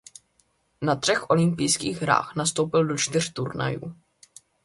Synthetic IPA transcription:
nat̪r̥ɛxʔo̞lɪmpijskḭːɣɦɾa̰ːxnast̪o̞wpɪldo̞t͡ʃt̪ɪr̥t̪uɾna̰jṵː

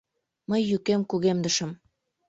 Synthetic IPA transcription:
məjːykemkuɣemd̪əʃə̆m

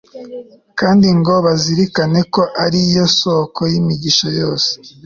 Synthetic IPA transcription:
kaːndiŋɡo̞βaziɾikane̞ko̞ʔaɾijo̞sokʰojimiɟiʃojo̞ːse̥

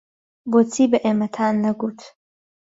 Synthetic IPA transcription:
bot͡sʰibaʔemɐtʰaːnːɐɡʷutʰ

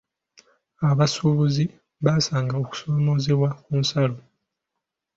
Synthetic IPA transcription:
aβasuβuzi | βaːsaːŋɡaoku̥so̞ːmo̞ze̞βwakunsalo

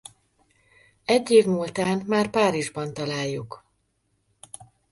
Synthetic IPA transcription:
ɛɟːeːvmuːlt̪aːnmaːrpaːɾiʒbɒnt̪ɒlaːjːuk

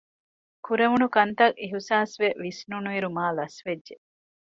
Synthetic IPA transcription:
kuɾeʋunukɐnt̪ɐʔiɦusaːsʋeʋisnunuiɾumaːlɐsʋedʒe

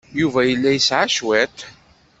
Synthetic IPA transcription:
juvæjəlːæjəsʕaʃwæt̪

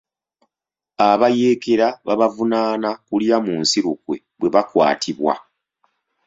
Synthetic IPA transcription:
aβaje̞ːke̞ɾaβaβavunaːnakuljamunsiɾukwe̞ | βwe̞βakwa̰ːtʰiβwa̰

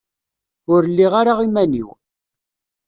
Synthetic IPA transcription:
ʊɾlːiʁaɾaʁimænḭw

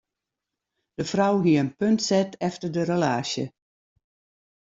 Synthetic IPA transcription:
d̥əfrawɦiəənpøntsɛtʰɛftərdəɾəlaːʃjə̰

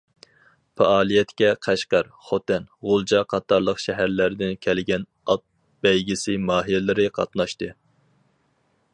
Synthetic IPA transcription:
pɑɑːlˠijɛt̪ʰkʲɛqʰæʃqɑɾ | χot̪ɛnʁolˠd͡ʒɑqʰɑt̪ʰːɑɾlˠəqʃɛɦæɾlæɾd̪ɪnkʲʰɛlɡʲɛn | ɑt̪̚ | b̥ɛjɡʲɪsɪmɑːɦilɪlɪɾɪqʰɑ̰t̪nɑʃt̪ɨ

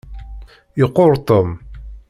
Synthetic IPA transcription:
jəqːoɾˤt̪om

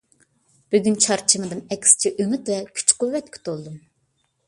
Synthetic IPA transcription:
b̥yɡʲynt͡ʃʰɑɾt͡ʃʰɨmɨd̪ɨnɛkʲʰːi̥sɪ̥t͡ʃʰiʔømyt̪vɛkʲʰy̥t͡ʃqʰʊvːɛt̪̚kʲʰy̥t̪olˠd̪ɨm

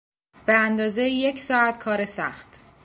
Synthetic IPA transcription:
b̥eænd̪ɒːzejje̞cʰsɒːæt̪kʰɒːɾesæxt̪

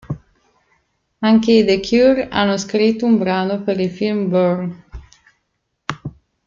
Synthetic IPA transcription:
aŋkeid̪ekʰjuɾa̰nːoskɾit̪ːumbɾaːnopeɾifilmbøɾn

